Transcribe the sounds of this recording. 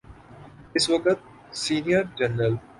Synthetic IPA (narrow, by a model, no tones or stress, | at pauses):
ɪsʋɐkət̪̚ | siːnijəɾd͡ʒɐnɾəl